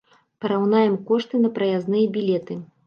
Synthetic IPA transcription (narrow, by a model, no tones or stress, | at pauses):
pɐɾawnajɛmkɔʂt̪ɨnɐpɾɐjaznɨjɐbʲilʲɛt̪ɨ